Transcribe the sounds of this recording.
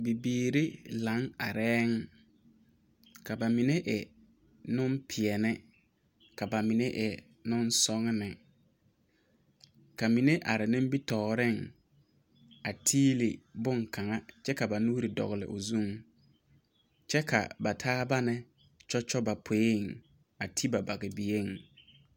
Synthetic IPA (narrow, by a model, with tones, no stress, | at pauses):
bi˨biː˦ɾi˦la˨˦ŋa̰˨ɾɛː˦ŋ | ka˨ba˨mi˨ne˦ʔɛ˨ | nʊ˦mpʰɪ˨ɛ˨nɪ˦ | ka˨ba˨mɪ˨ne˦ʔɛ˨ | nʊ˦nsɔ˦ŋ˦nɪ˨ | ka˨mi˨ne˦ʔa˨ɾɪ˨nɪ̃˦m˦bi˦tɔː˨ɾɪ˦˨ŋ | a˨tʰiː˦lɪ˨bʊ˦ŋkʰa˨ŋa˦t͡ʃɛ˦ka˨ba˨nuː˦ɾɪ˨dɔ̰˨ɣɪ˨lɪ̰˨ʔo˨zu˦ŋ | t͡ʃɛ˦kʰa̰˨ba˨tʰaː˦ba˦nɪ˦ | t͡ʃɔ˦t͡ʃɔ˦ba˨pʰe˨˦e˦˨ŋ | a˨tʰi˦ba˨ba˨ɣɪ˨bi˨e˦ŋ